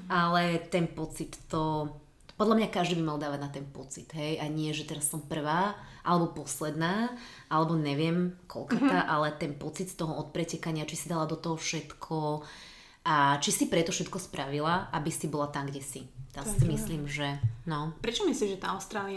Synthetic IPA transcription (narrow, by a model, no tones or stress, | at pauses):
alɛt̪ɛnpɔt͡sit̪ːɔ | pɔd̪ʎlamɲakaʒd̪iːbimalˠd̪aːʋaɟnat̪ɛnpɔt͡sit̪ɦɛjaɲɪɛʒɛt̪ɛɾasːɔmpr̩ʋaːʔalɛbɔpɔslɛd̪naːʔalɛbɔɲɛʋɪɛmkʰɔ̰lkɔt̪aʔalɛt̪ɛnpɔt͡sit̪st̪ɔɦɔɔt̪̚pɾɛcɛkaɲɪat͡ʃisid̪alad̪ɔt̪ɔɦɔfʃɛt̪kʰɔ | ʔat͡ʃisipɾɛt̪ɔfʃɛt̪kɔspɾʔaʋilaʔabisibɔlat̪amɡɟɛsit̪ɛsisimisliːmʒɛnɔpɾɛt͡ʃɔmisliːʒɛt̪aːaʊst̪ɾaːlia